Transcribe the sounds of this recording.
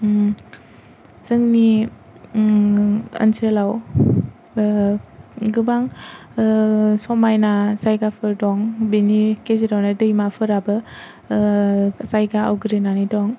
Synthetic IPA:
zɯŋni | ɐ̰nsʰelaw | ɡɯbaŋ | sɔmajnasajɡapʰɯɾdɔŋbinikeziɾawnadɯjmapʰɯɾabɯ | sajɡaa̰wɡɯɾɯnanidɔŋ

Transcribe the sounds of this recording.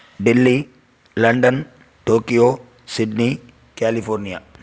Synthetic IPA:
dilːi | lɐndən | tokio | sidni | kalifɔɾnia

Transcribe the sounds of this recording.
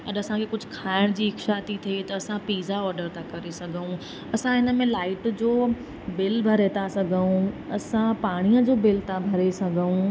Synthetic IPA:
ɐɗɐsãkʰekʊd͡ʑʱʊkʰaːɪɽ̃d͡ʑiːɦɪkʃaːt̪it̪ʰiet̪ɐːsãpiːzaɔːɾɖəɾt̪ʰakɐɾesɐɡʱũ | ɐsãɦɪnəmẽlaːɪʈd͡ʑoː | bɪlbʱɐɾeːt̪ʰasɐɡʱəũɐsãpaːɽ̃iə̃d͡ʑoːbɪlt̪ʰabʱɐɾesɐɡʱəũ

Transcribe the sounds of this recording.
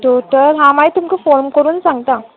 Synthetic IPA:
t̪ot̪əɾɦãmait̪umkifoɾmkəɾuːnsãŋɡt̪ã

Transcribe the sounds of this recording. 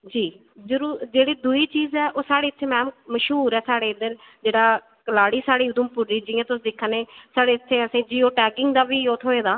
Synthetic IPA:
d͡ʒiː | zəɾuːɾd͡ʒeːɽiːd̪uiːt͡ʃiːzɛːʔoːsaːɽeːɪt̪ʰːeːmɛ̃ːmməʃɦuːɾɛːsaːɽeːɪd̪əɾ | d͡ʒeːɽaː | kəlaːɽiːsaːɽiːʊd̪ʊmpʊɾːiːd͡ʒɪːãːt̪ʊsːd̪ɪkʰːaːneːsaːɽeːɪt̪ʰːeːəsĩːd͡ʒiːoːʈɛːkɪŋɡd̪aːʋiːoːt̪ʰɦoːeːd̪aː

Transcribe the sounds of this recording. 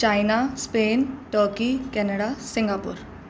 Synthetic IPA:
t͡ʃaːjnaspeːnʈəːɾkikɛnəɽasɪ̃ŋɡaːpṵːɾ

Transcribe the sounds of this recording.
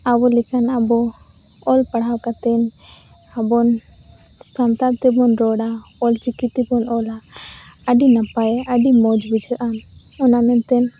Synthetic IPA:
abɔlɛkʰanabɔ | ɔlpaɽawkat̪ɛn | abɔn | samt̪at̪ɛbɔnɾɔɽa | ɔlt͡ʃikit̪ibɔnɔlaː | ɖinapajɛaɖimɔd͡ʒbid͡ʒʱəʔam | ɔnamɛnt̪ɛn

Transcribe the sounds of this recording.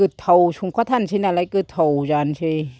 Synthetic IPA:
ɯt̪ʰːawsʰuŋkʰɔːt̪ʰansʰinalakɯt̪ʰhawd͡ʒaːnsʰi

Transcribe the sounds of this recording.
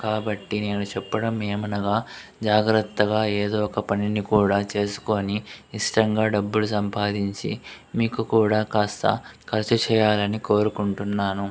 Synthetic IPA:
kaːbɐʈːine̞ːnut͡ʃɛpːɐɽɐmːeːmɐnɐɡaːd͡ʒaːɡɾɐt̪ːɐɡaːe̞ːd̪oːɔkɐpɐninikuːɽaːt͡ʃe̞ːsu̥ko̞ːniːʂʈɐŋɡaːɖɐbːulus̬ɐmpaːd̪iɲt͡ʃḭ | miːkukuːɽaːkaːst̪ɐ̰kʰɐɾt͡ʃɐt͡ʃɛːjaːlɐniko̞ːɾukuɳʈunːaːnu

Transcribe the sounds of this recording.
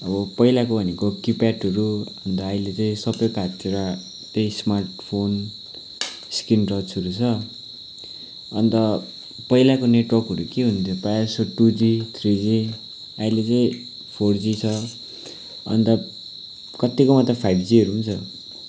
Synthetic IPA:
ʌbʌpʌilakobʱʌnekokipaʈʌɾuʌʌnt̪ʌːilet͡saĩsʌbʌjkatːeɾa | t̪eĩsmarʈpʰon | skinrʌt͡sʰʌɾut͡sʰʌ | ʌnt̪ʌ | pʌilakoneʈwʌrkɦʌɾukeɦunt̪ʰjopasoʈud͡zit̪ʰrid͡zi | aĩlet͡saĩ | pʰord͡zit͡sʰʌ | ʌ̰nt̪ʌ | kʌt̪ːikomat̪rʌpʰajʈd͡ziʌɾuɦunt͡sʰʌ

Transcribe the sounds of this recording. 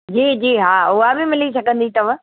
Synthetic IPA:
d͡ʑiːd͡ʑiːɦaːʊɦabɪmɪlisɐɡʱə̃nd̪it̪ɐʋ̤ə̃

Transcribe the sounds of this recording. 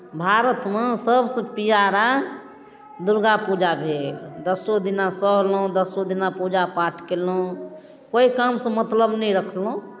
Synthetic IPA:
bʱaɾət̪mesəbsə̃pijaɾa | d̪uɾɡapud͡ʒabʱeld̪əsod̪inasəɦlõd̪əsod̪inapud͡ʒapaʈʰkelõ | koikamsə̃mət̪ləbnɛĩɾəkʰlũ

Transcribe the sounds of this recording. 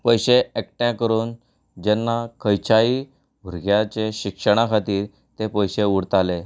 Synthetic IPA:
pəjɕeekʈjãkəɾuːn | d͡ʑɛnːakʰəjt͡ɕaiː | bʱuɾɡjat͡ɕeɕikʂəɽ̃akʰat̪iːɾ | t̪epəjɕeuɽt̪ale

